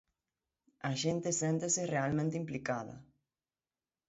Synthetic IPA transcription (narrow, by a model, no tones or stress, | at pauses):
ɐʃent̪ɪsent̪eserealmẽnt̪eimplikað̞ɐ̰